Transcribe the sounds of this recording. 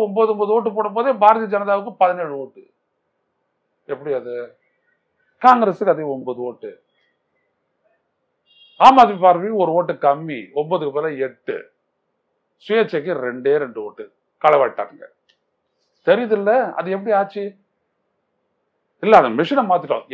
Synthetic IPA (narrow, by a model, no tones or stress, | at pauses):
ɔmboːðɯɔmboðɯoːʈ̬ːɯpoːɽɐmpoːðeːbaːɾɐðijɐd͡ʒɐnɐðaːʋɯkːɯpɐðɪneːɻɯoːʈːɯ | ɛpːɐɽiɐðɯ | kaːŋɡɐɾesɯkːɐðeɔmboðɯoːʈːɯ | aːmaːðʋipaːɾʋiɔɾɯoːʈːɯkɐmːiɔmbɐðɯkːɯpeːlɐɛʈːɯ̰ | sʊjet͡ʃːɐkːɯɾɛɳɖeːɾɛɳɖɯoːʈːɯ | kɐlɐʋaːɽʈːa̰ːɾɯŋɡɐ̰ | t̪ɛɾɪjɐðɯɪlːɐɐ̰ðɯɛp̬ːɐɽiaːt͡ʃːi | ɪlːɐːðɐmɪʂɪnɐmaːt̪̬ːɪʈːõ̰